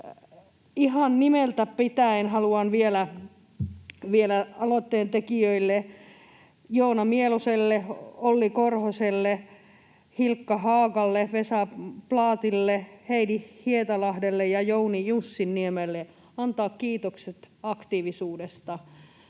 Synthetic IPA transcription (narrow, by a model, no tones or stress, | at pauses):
ihɑnnimelt̪æpit̪æenhɑluɑnʋielæ | ʋielæɑlot̪ːeːnt̪ekiøilːe | jounɑmieluselːeolːikorhoselːe | hilkːɑhɑːkɑlːeʋesɑplɑːt̪ilːeheidihiet̪ɑlɑhdelːejɑjounijusːinniemelːe | ɑnt̪ɑːkkiːt̪okset̪ɑkt̪iːʋisuːdest̪ɑ